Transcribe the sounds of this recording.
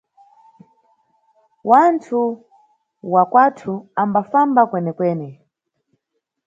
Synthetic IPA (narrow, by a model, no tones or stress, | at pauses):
wantʰu | wakwatʰuambafambakwɛnɛkwɛːnɛ